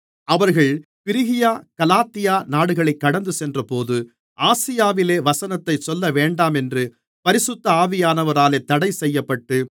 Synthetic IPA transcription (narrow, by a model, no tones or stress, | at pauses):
ɐʋɐɾɣɐɭpɪɾɪɣɪjaːkɐlaːt̪ːɪjaːnaːɽɯɣɐɭɐɪkːɐɽɐnd̪ɯsɛndrɐpoːðɯ | ʔaːsɪjaːʋɪleːʋɐsɐnɐt̪ːɐɪt͡ʃɔlːɐʋeːɳɖaːmɛndrɯ | pɐɾɪsʊt̪ːɐaːʋɪjaːnɐʋɐɾaːleːt̪ːɐɽɐɪsɛjːɐpːɐʈːɯ